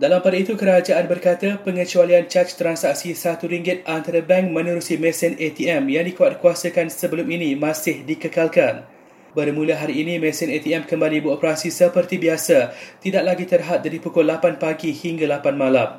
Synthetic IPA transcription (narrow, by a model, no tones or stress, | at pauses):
dalampadait̪ukəɾad͡ʒaʔanbərkat̪apəŋət͡ʃualiant͡ʃat͡ʃt̪ɾansak̚sisat̪uɾiŋɡɪt̪̚ant̪aɾabɛŋk̚mə̃nəɾusimɛ̃sɪnʔet̪iɛmjaŋdikuat̪̚kuasəkansəbəlʊminĩmãsɪhdikəkalkan | bəɾmũlaɦaɾiːnĩmɛ̃sɪnet̪iɛmkəmbalibəɾopəɾasisəpərt̪ibiasat̪idaʔ̚laɡit̪ərɦat̪̚daɾipukɔlapanpaɡihiŋɡalapanmãlam